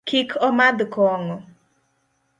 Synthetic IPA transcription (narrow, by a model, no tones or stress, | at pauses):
kikʰɔmad̪kɔŋɔ